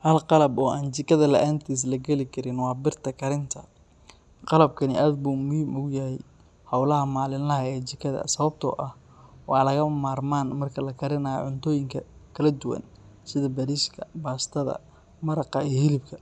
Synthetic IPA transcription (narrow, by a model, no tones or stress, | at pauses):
hɐlqɑlɐbɔːaːnt͡ʃɪkʰɐðɐlɐ̰ʔaːnt̪ʰiːs̬lɐɡɛlɪkʰɐɾɪnwɑːbɪrt̪ʰɐkʰɐɾɪnt̪ʰɐ | qɑlɐb̚kʰɐnɪ̰ʔaːd̪buːmʊhiːmʔʊɣjɐɦɛj | hɑwlɐɦɐmaːlɪnlɐɦɐɛːt͡ʃɪkʰɐðɐ̰sɐβɐb̚t̪ʰɔ̰ːʔɐh | wɑːlɐɣɐmaːrmaːnmɐrkʰɐlɐkʰɐɾɪnɐːjɔ̰ʕʊnt̪ʰɔːjɪŋkʰɐkʰɐlɐd̪ʊwɐ̰n | sɪðɐbɐɾiʃkʰɐbaːst̪ʰɐðɐ̰ | mɐɾɐqɑijhɪlɪbkʰɐ